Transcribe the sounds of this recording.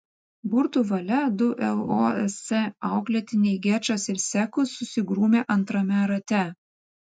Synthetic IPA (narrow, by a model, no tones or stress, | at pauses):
bʊɾt̪uːʋɐlʲɛd̪ʊʔɛlˠoɛsʲɛɑˑʊklʲɛt̪ʲɪnʲɛɪɡʲæt͡ʃɐsɪɾsʲɛkʊsʊsʲɪɡɾuːmʲeːʔɐnt̪ɾɐmʲɛɾɐt̪ʲɛ